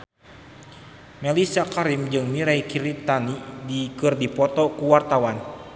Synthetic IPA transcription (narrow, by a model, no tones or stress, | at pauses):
melisakaɾimd͡ʒɨŋmiɾaikiɾit̪anidikɨrdipɔt̪ɔkuwart̪awan